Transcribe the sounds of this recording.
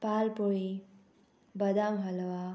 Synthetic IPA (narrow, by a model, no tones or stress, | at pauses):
paːlpoi | bɐd̪ãŋɦɐlʋa